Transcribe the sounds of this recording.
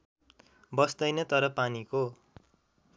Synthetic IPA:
bʌsd̪ʌjnʌt̪ʌɾʌpaniko

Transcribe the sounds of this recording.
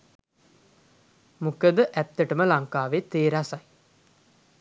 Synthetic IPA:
mukəd̪əʔæt̪ːəʈəməlaŋkaːʋet̪eːɾasaj

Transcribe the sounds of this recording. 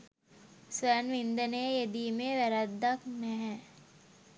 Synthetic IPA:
sʋænʋind̪ənəjjed̪iːmeːʋæɾad̪ːaknɛɦɛ

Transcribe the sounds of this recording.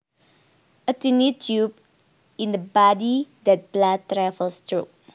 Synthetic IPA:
ətĩnitʰjup̚ | ĩndəbɔdidɛt̚b̥lad̚tɹɛvəlstɹup̚

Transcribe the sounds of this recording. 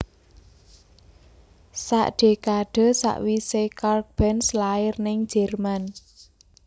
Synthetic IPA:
sa̰ʔɖ̥e̤kaɖ̥ɔ̤sa̰ʔwisekark̚b̥ɛnslaɪrnɪŋd͡ʒ̥ɛrman

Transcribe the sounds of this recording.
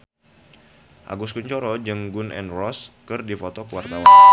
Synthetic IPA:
ʔa̰ɡuskuɲt͡ʃɔɾɔd͡ʒəŋɡʊnʔɛ̰nrɔskɨrdifot̪ɔkuwart̪awan

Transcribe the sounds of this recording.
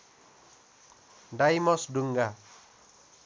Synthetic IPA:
daimɔsduŋɡa

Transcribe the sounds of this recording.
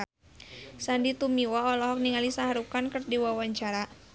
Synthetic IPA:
sandit̪umiwaɔlɔɦɔk̚niŋalisaɦaɾukankɨrdiwawaɲt͡ʃaɾa

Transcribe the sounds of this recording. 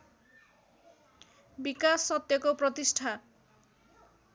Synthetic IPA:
bikasːɔt̪jɔkopɾɔt̪isʈʰa

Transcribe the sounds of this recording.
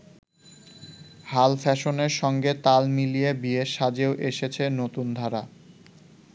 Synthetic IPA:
halfɛʃoneɾʃɔŋɡet̪almilijebieʃad͡ʑeoʔeʃet͡ɕʰenot̪und̪ʱaɾa

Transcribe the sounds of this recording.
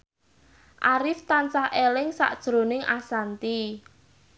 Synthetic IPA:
ʔaɾɪft̪ant͡ʃahʔelɪŋsa̰ʔd̥ʒ̥ɾo̤nɪŋasant̪i

